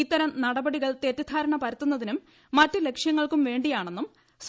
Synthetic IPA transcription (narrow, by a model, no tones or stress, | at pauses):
it̪ːɐɾɐmnɐɽɐbɐɽiɣɐɭt̪eːt̪ːjɐd̪ʱaːɾɐɳɐpɐɾɐt̪ːunːɐðinumː | ɐtːɨle̞kʂjɐŋːɐɭkumʋe̞ːɳɖijaːɳe̞nːum | s